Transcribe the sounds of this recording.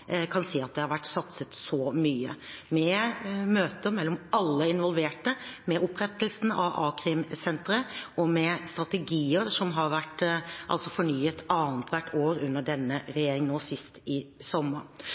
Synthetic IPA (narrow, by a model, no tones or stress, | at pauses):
kʰɑnsiːɑt̪̚d̪ɛhɑɾʋæʈːsɑt̪sət̪sɔmyːə̰mɛmøːt̪əmɛlːɔmɑlːəɪnʋɔlʋeːʈəmɛʔʊpːɾɛt̪ːəlsn̩ɑ̰ʋʔɑ̰ːkʰɾɪmsɛnt̪ɾəɔmɛst̪ɾɑt̪ɛɡiːəɾʂɔmɦɑɾʋæʈːʔɑ̰lsɔfɔɳyːət̪ɑːnət̪ʰʋæʈʰːoːɾʉnːəɖɛnːəɾɛjeːɾɪŋnoːsɪst̪ɪsɔmːəɾ